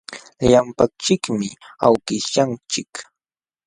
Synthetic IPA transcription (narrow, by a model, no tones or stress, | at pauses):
ʎampak̚t͡ʃɪkmɪawkɪʃant͡ʃɪk